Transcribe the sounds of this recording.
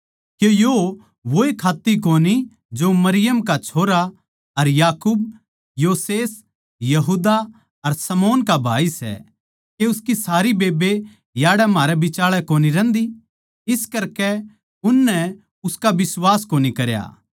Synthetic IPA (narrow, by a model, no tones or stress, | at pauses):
kejo | ʋoekʰaːt̪ːikoːni | d͡ʒomɐɾɪjəmkat͡ʃʰoːɾa | ɐɾjaːkuːb̚ | joːseːs | jɐɦuːd̪a | ɐɾsɐmoːnkabʱa̰ːisɛ̰ | keʊskisaːɾibeːbe | jaːɽɛmaːɾɛbɪt͡ʃaːɭɛkoːniɾɛ̃ːnd̪i | ɪskɐɾkɛ | ʊnːɛ | ʊskabɪswaːskoːnikɐɾja̰ː